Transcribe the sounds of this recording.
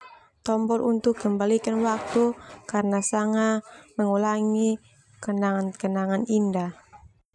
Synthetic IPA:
t̪ɔmbɔlʔunt̪ukkəmbalikanwak̚t̪ukarnasaŋaməŋulaŋi | kənaŋankənaŋaninda

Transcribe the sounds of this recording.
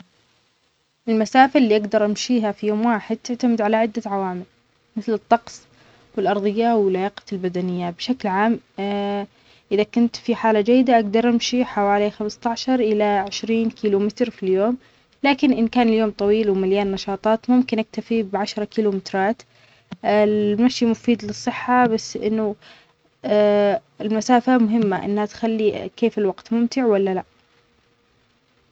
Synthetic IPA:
ʔɪlmasaːfaʔlːiːʔaɡd̪ɑɾˤʔamʃiːɦafijoːmwaːħɪd̪̚t̪ɪʕt̪amɪd̪ʕalaʕɪd̪ːaʕawaːmɪl | mɪθlɨt̪ˤːɑqsˤ | wɪlʔɑɾˤðˤɨjːawɪlʕajaːqɑ̥lbad̪anɪjːabʃaklʕaːm | ʔɪðakʊnt̪fiħaːlad͡ʒajːɪd̪aʔaɡd̪ɑɾˤʔamʃiħawaːlixamst̪ɑʕʃɑɾˤʔɪlaʕɪʃɾiːnkiːlumɪt̪ɾfiljoːm | laːkɪnʔɪnkaːnɪljoːmt̪ˤɑwiːlwmaljaːnːɑʃɑːt̪ˤɑːt̪mʊmkɪnʔak̚t̪afibʕaʃɾˤɑkiːlumɪt̪ɾˤɑːt̪ | ɪlmaʃjimʊfiːd̪lɨsˤːɨħːabasːʔɪ̰nːʊ | ɪlmasaːfamʊɦɪmːaʔɪ̰nːhat̪xalːikeːfɪlwaɡt̪mʊmt̪ɪʕwalːalaʔ

